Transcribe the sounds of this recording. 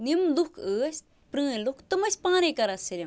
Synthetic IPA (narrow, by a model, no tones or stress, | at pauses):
nimlukʰəːsʲ | pɾɨ̃ːlukt̪ɨmɐsʲpãːnekɐɾɐsiɾim